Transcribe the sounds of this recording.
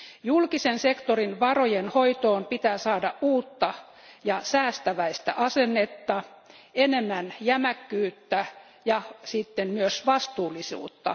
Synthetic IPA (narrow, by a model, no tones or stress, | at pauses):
julkisensekt̪orinʋɑrojenhoit̪oːmpit̪æːsɑːdɑʔʔuːt̪ːɑ | jɑsæːst̪æʋæist̪æʔɑsenːet̪ːɑ | enemːænjæmækːyːt̪ːæ | jɑsit̪ːemmyøsʋɑst̪uːlisṵːt̪ːɑ̰